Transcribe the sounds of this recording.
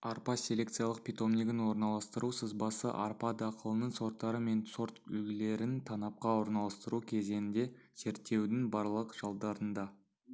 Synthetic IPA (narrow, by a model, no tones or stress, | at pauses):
ɑɾpɑsʲe̞lʲe̞kt̪sijɑlˠəq̚pʲit̪o̞mnʲiɡʲɪnwo̞ɾnɑlˠɑst̪əɾusəzbɑsə̰ʔɑɾpɑd̪ɑqəlˠənəɴso̞ɾt̪ːɑɾəme̞nso̞ɾt̪ʏ̰lɡʲɪle̞ɾɪnt̪ʰɑnɑp̚qɑwo̞ɾnɑlˠɑst̪əɾukʲʰe̞ze̞nɪnd̪e̞z̥e̞ɾt̪ːe̞wd̪ɪŋbɑɾlˠəqʒ̥ɑlˠd̪ɑɾənd̪ɑ